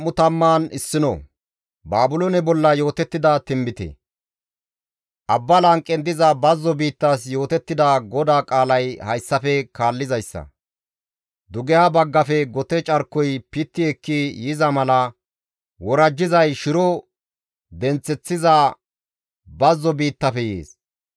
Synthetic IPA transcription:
ʊt̪ɐmːaːnɪsːɪnɔ̰ | baːbʊlonɛbɔlːɐjo̞ːt̪ɛt̪ːɪd̪ɐt̪ɪmbɪt̪ɛ̰ | ʔɐbːɐlɐŋkʼːɛnd̪ɪzɐbɐzːɔbiːt̪ːɐs̬jo̞ːt̪ɛt̪ːɪd̪ɐɡɔd̪aːkʼaːlɐjhɐjsːɐfɛkaːlːɪzɐjsːɐ̰ | d̪ʊɡɛjabɐɡːɐfɛɡɔt̪ɛt͡ʃʼɐɾkːɔjpɪt̪ːɪɛkːijɪzɐmɐlɐ | wɔɾɐd͡ʒːɪzɐjʃɪɾɔ | d̪ɛnt͡sːɛt͡sːɪzɐ | bɐzːɔbiːt̪ːɐfɛjeːs

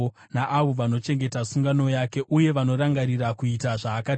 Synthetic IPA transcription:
naʔaʋo̞ʋano̞t͡ʃe̞ŋɡe̞tasuŋɡano̞jake̞ʔuje̞ʋano̞ɾaŋɡaɾirakuitaʐaːkat

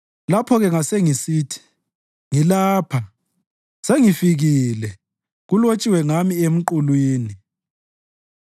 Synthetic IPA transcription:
lapʰɔɣɛŋaseŋisiːtʰi̥ | ŋilaːpʰa | seŋifiɣilɛ | ɣulot͡ʃʼiwɛŋamiem̩ǃulwiːni

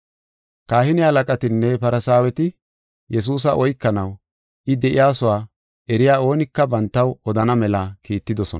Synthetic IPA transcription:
kaːhɪnɪhɐlɐkʼɐt̪ɪnːɛpɐɾɐsaːwɛt̪ɪ | jɛs̬uːs̬ɐʔɔjkːɐnɐw | ʔɪd̪ɛʔɪjaːsʊwaː | ɛɾɪjaːo̞ːnɪkːɐbɐnt̪ːɐwɔd̪ɐnɐmɛlɐkʰiːt̪ːɪd̪ɔsɔ̰n

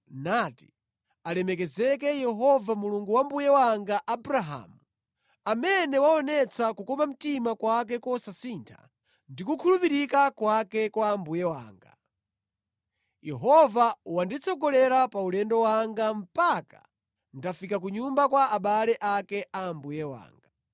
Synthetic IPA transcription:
nati̥ | alɛmɛkɛzɛk̬ɛjɛɦɔvamuluŋɡuwambujɛwaŋɡaʔabɾaɦa̰ːmu | amɛnɛwaɔnɛt͡sakukɔmam̩timakwak̬ɛkɔsasiːntʰa̰ | ndikukʰulupiɾikakwakɛkwambujɛwa̰ːŋɡa̰ | jɛɦɔvawandit͡sɔɡɔlɛɾapaulɛndɔwaŋɡam̩paka̰ | ndafikak̬uɲumbakwaːɓalɛʔakɛʔambujɛwa̰ːŋɡa

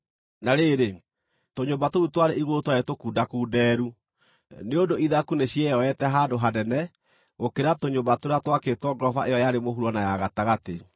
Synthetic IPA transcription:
naɾeɾe | toɲobatoutwaɾeʔiɣotwaetokuːdakuːdɛːɾu | neondoiðakuneɕjɛjɔɛtɛɦadoɦadɛnɛ | ɣokeɾatoɲobatoɾatwaketwɔɡɾɔvaʔejɔjaɾemoɦuɾɔnajaɣataɣate

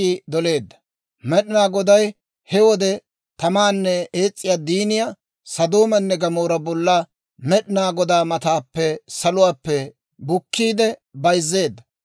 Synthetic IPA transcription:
id̪ɔle̞ːd̪ːɐ̥ | mɛɗɪnaːɡɔd̪ɐj | hɛwɔd̪ɛ | t̪ɐmaːnːɛeːt͡sʼːɪjaːd̪iːnɪja | sɐd̪oːmɐnːɛɡɐmoːɾɐbɔlːa | mɛɗɪnaːɡɔd̪aːmɐt̪aːpːɛsɐlʊwaːpːɛ | bʊkːiːd̪ɛbɐjzːe̞ːd̪ːɐ

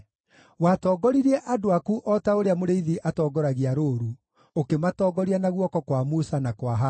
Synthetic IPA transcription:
watɔɡɔɾiɾɛʔadoakuʔɔtaoɾeamoɾeiðiʔatɔːɡɔɾaɣiaɾoːɾu | okematɔːɡɔɾianaɣwɔkɔkwamusanakwaɦa

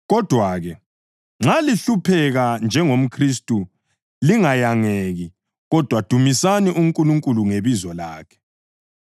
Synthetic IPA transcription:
ɣɔd̥ʱwaːɣɛ | ŋ͡ǁaliɬupʰɛɣand͡ʒʱɛŋom̩kʰristʼu | liŋajaŋeɣi | ɣɔd̥ʱwad̥ʱumisaniʔuŋ̩kʼuluŋkʼuluŋeβizɔlaːkʰɛ̥

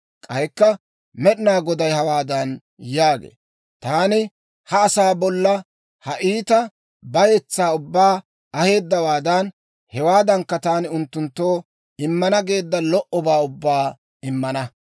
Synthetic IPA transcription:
kʼɐjkːɐ | mɛɗɪnaːɡɔd̪ɐjhɐwaːd̪ɐn | jaːɡḛː | t̪aːnɪ | hɐːsaːbɔlːɐ | hɐʔiːt̪ɐ | bɐjɛt͡sːaːʊbːaː | ɐhe̞ːd̪ːɐwaːd̪ɐn | hɛwaːd̪ɐŋkːɐt̪aːnɪʊnt̪ːʊnt̪ːoː | ɪmːɐnɐɡe̞ːd̪ːɐlɔʔɔbaːʊbːaː | ɪmːɐnɐ

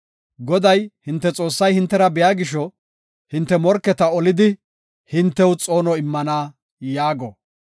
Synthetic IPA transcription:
ɡɔd̪ɐjhɪnt̪ːɛt͡sʼo̞ːsːɐjhɪnt̪ːɛɾɐbɪjaːɡɪʃɔ | hɪnt̪ːɛmɔɾkːɛt̪ɐɔlɪd̪ɪ | hɪnt̪ːɛwt͡sʼo̞ːnɔɪmːɐnaː | jaːɡɔ̰

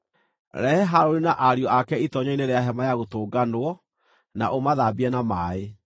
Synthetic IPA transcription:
ɾɛhɛɦaɾoɾinaʔaɾiɔakɛitɔɲɔineɾeaɦɛmajaɣotoːɡanwɔ | naʔomaðaːbiɛnamaːe

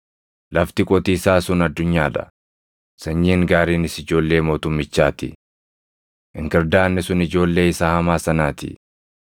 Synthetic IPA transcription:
lʔɐft̪ɪkʼɔt̪iːsaːsʊnɐd̪ːʊɲːaːᶑɐ̰ | sɐɲːiːŋɡaːɾiːnɪsɪd͡ʒo̞ːlːe̞ːmoːt̪ʊmːɪt͡ʃːaːt̪ɪ̰ | ʔɪŋkɐɾd̪aːnːɛsʊnɪd͡ʒo̞ːlːe̞ːɪsaːhɐmaːsɐnaːt̪ɪ̰

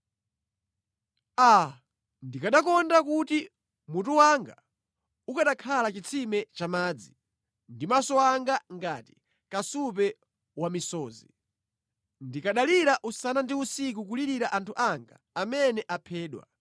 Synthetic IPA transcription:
a | ndikaɗakɔndakuti | mutuwaŋɡa | ukaɗakʰalat͡ʃit͡sʰimɛt͡ʃamaːd͡zi | ndimasɔaŋɡaŋɡati̥ | kasup̬ɛ | wamisɔːzi | ndikaɗaliɾaʔusanandiusik̬uk̬uliɾiɾaʔantʰuʔaŋɡaːmɛnɛʔapʰɛːɗwa̰

